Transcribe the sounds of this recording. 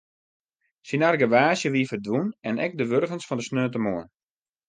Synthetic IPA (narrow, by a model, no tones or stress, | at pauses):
sinarɡəʋaːsjəʋiəfərdʋunɛnɛ̰k̚dəʋørɣənsfɔndəsnøːtəmoən